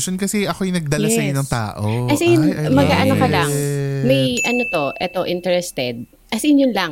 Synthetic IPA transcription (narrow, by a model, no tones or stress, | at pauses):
ʃonkɐsɛʔɐkojnɐɡ̚d̪ɐlɐsɐjnɐŋt̪a̰ːʔokɐsɛjnmɐɡ̚aʔɐnokɐlɐŋmɐjʔɐnot̪o̞ʔɛt̪o̞ʔɪnt̪ɛɾɛst̪ɛd̪̚ | kɐsɛnjʊnlɐŋ